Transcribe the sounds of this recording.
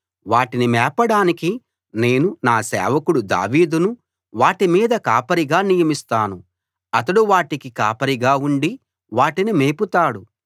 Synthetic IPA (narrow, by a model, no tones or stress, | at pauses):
ʋaːʈinimɛːpɐɽaːniki | ne̞ːnunaːsɛ̰ːʋɐkuɽud̪a̰ːʋiːd̪unu | ʋaːʈimiːd̪ɐkaːpɐɾiɡaːnijɐmist̪aːnu | ɐt̪ɐɽuʋaːʈikikaːpɐɾiɡaːuɳɖi | ʋaːʈinimeːput̪aːɽu